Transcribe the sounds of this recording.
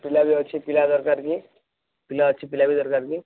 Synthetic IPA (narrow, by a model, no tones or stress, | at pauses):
pɪlabʱiətːʃʰipɪlad̪ɔɾkaːɾki | pɪlaətːʃʰipɪlabʱid̪ɔɾkaːɾki